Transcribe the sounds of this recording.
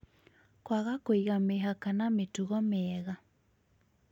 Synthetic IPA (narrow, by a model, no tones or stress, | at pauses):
kwaɣakoiɣameɦakanametuɣɔmeɛɣa